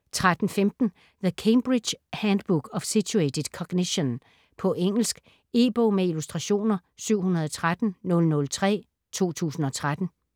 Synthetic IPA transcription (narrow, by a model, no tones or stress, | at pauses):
t͡sʰʁad̥n̩femd̥n̩ | ðəkʰeɪmb̥ʁid̥ɕhænd̥b̥uɡ̥ɒ̽fsiued̥ʰed̥ˠkʰɒ̽ɡ̥niɕon | pʰɒ̽ʔeŋ̰l̩sɡ̥ | e̝ːb̥omeilusd̥ʁɑ̈ɕo̝̰ːnɐsyʊ̰hunɐðˠɒ̽t͡sʰʁad̥n̩nɔ̽lnɔ̽lt͡sʰʁɛ̰ː | t͡sʰo̝̰ːt͡sʰṵːsn̩ɒ̽t͡sʰʁad̥n̩